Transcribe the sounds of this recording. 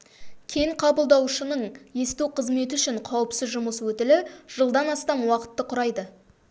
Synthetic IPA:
kʲʰe̞ŋqʰɑbəlˠd̪ɑwʃənəɴje̞st̪uqʰəzme̞t̪ɪʏʃɪɴqʰɑwəpsɪzʒʊməswɵt̪ɪlɪʒ̥əlˠd̪ɑnɑst̪ɑmwɑqə̥t̪ːəqʰʊɾɑjd̪ə

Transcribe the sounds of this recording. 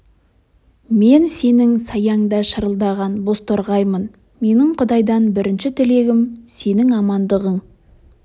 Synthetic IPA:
me̞nse̞nɪŋsɑjɑɴd̪ɑʃəɾəlˠd̪ɑʁɑnbo̞st̪oɾʁɑjmən | me̞nɪɴqʰʊd̪ɑjd̪ɑnbɪɾɪnʃɪt̪ʰɪle̞ɡʲɪmse̞nɪŋɑmɑnd̪əʁəɴ

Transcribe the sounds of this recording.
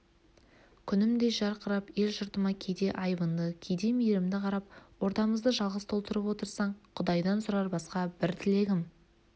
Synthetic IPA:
kʲʰʏnɪmd̪e̞ʒɑɾqəɾɑpje̞lʒʊɾt̪əmɑkʲʰejd̪e̞ʔɑjbənd̪əkʲʰejd̪e̞mijeɾɪmd̪ɪqʰɑɾɑp̚wo̞ɾt̪ɑməzd̪əʒɑlˠʁəst̪ʰo̞lˠt̪əɾəpwo̞t̪əɾsɑɴqʰʊd̪ɑjd̪ɑnsʊɾɑɾbɑsqɑbɪɾt̪ʰɪle̞ɡʲɪm

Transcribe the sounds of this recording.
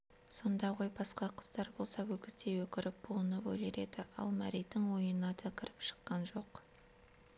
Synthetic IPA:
so̞nd̪ɑʁojbɑsqɑqʰə̥z̥d̪ɑɾbo̞lˠsɑwɵkʲɪzt̪e̞wɵkʲɪɾɪp̚b̥uənəpo̰leɾe̞d̪ɪɑ̰lˠmæɾijt̪ːɪŋwo̞jənɑt̪ʰɑkʲʰɪɾɪpʃə̥qːɑnʒo̞q

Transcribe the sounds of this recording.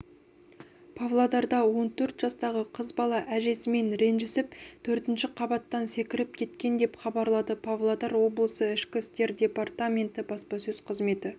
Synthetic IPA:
pʰavlˠad̪ɑɾd̪ɑwo̞nt̪ʰɵɾt̪ʒ̥ɑst̪ɑʁəqʰəzbɑlˠɑʔæʒe̞sɪme̞nɾe̞nʒɪsɪpt̪ʰɵɾt̪ɪnʃɪqʰɑbɑt̪ːɑnse̞kʲɪɾɪp̚kʲʰe̞t̪kʲe̞nd̪e̞pχɑbɑɾlˠɑd̪əpʰavlˠad̪ɑɾwo̞blˠəsəɪʃkʲɪst̪e̞ɾdʲe̞part̪amʲe̞nt̪ɪbɑspɑsɵzqʰəzme̞t̪ɪ

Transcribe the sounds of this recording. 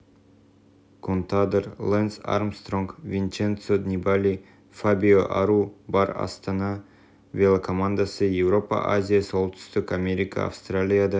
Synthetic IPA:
kʰont̪ad̪əɾlˠensa̰rmst̪roŋkvʲint͡ʃent̪sod̪nʲibalʲi | fabʲioʔa̰ɾubɑɾɑ̰st̪ɑnɑ | vʲelˠakʰomand̪asɨjevro̞pa̰ʔazʲijasolˠt̪ʏ̥st̪ʏkamʲeɾʲɪkə̰a̰fst̪ralʲijad̪a

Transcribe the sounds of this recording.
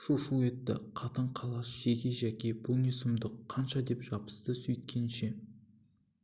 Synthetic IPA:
ʃuʃue̞t̪ːɪ̰qʰɑt̪əɴqʰɑlˠɑsʒ̥eɡʲe̞ʒækʲe̞bʊlˠnʲesʊmd̪əqʰːɑnʃɑd̪e̞pʒ̥ɑpə̥st̪əsɵjt̪̚kʲe̞nʃe̞

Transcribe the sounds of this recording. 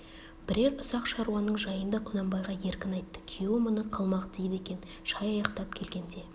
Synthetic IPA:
b̥ɪɾe̞ɾʊsɑqʃɑɾuwɑnəɴʒɑjənd̪ɑqʰʊnɑmbɑjʁɑje̞ɾkʲɪnɑjt̪ːə̥kʲʰiomənəqʰɑlˠmɑqd̪ejd̪e̞kʲe̞n | ʃɑjɑjɑqt̪ɑp̚kʲʰe̞lɡʲe̞nd̪e̞

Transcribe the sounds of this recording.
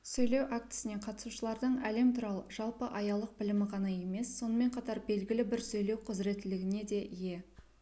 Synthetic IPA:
sɵjle̞wʔak̚t̪ɪ̥sɪne̞qʰɑt̪əsuʃəlˠɑɾd̪əɴæle̞mt̪ʰuɾɑlˠəʒ̥ɑlˠpəʔɑjɑlˠəq̚bɪlɪmɪqʰɑnɑje̞me̞sːo̞nəme̞ɴqʰɑt̪ɑɾbe̞lɡʲɪlɪbɪɾsɵjle̞wqʰʊzɾe̞t̪ːɪlɪɡʲɪne̞d̪e̞ʔije̞

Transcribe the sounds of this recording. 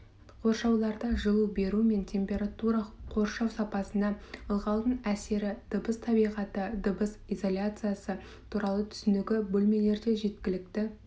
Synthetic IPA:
qʰo̞ɾʃɑwlˠɑɾd̪ɑʒəlˠube̞ɾume̞ntʲʰe̞mpʲe̞ɾat̪uɾɑqʰo̞ɾʃɑwsɑpɑsənd̪ɑəlˠʁɑlˠd̪ənæse̞ɾɪd̪̥əbəst̪ʰɑbijʁɑt̪əd̪əbəsijzo̞lʲat̪sɨjasə | t̪ʰuɾɑlˠət̪ʰʏ̥sɪnɪɡʲɪbɵlme̞le̞ɾd̪e̞ʒe̞t̪kʲɪlɪk̚t̪ɪ

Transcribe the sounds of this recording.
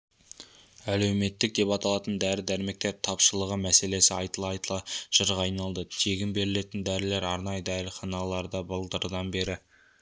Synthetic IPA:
æle̞wme̞t̪ːɪk̚d̪e̞pɑt̪ɑlˠɑt̪ənd̪æɾɪd̪æɾme̞k̚t̪e̞ɾt̪ʰɑpʃəlˠəʁəmæse̞le̞sɪɑjt̪əlˠɑjt̪əlˠɑʒ̥əɾʁɑɑjnɑlˠd̪ət̪ʰeɡʲɪmbe̞ɾɪle̞t̪ɪnd̪æɾɪle̞ɾɑɾnɑjəd̪æɾɪχɑnɑlˠɑɾd̪ɑbəlˠd̪əɾd̪ɑnbe̞ɾɪ

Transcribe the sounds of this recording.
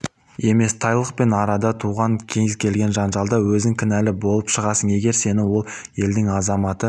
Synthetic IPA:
e̞me̞st̪ʰɑjlˠəq̚pe̞nɑɾɑd̪ɑt̪ʰuʁɑŋkʲʰe̞ŋɪskʲʰe̞lɡʲe̞nʒɑnʒɑlˠd̪ɑwɵzɪŋkʲʰɪnælɪbo̞lˠəpʃəʁɑsəɴe̞ɡʲe̞ɾse̞nɪwo̞lˠje̞ld̪ɪŋɑzɑmɑt̪ə

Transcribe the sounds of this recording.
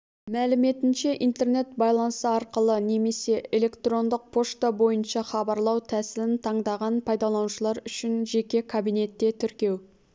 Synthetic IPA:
mælɪme̞t̪ɪnʃe̞ʔijnt̪e̞rne̞t̪̚bɑjlˠɑnəsəɑɾqəlˠəne̞me̞se̞ʔele̞kt̪ro̞nd̪əq̚pʰo̞ʃt̪abo̞jənʃɑχɑbɑɾlˠɑwt̪ʰæsɪlɪnt̪ʰɑɴd̪ɑʁɑnpʰɑjd̪ɑlˠɑnuʃəlˠɑɾʏʃɪnʒe̞kʲe̞kʰabijne̞t̪ːe̞t̪ʰʏɾkʲe̞w

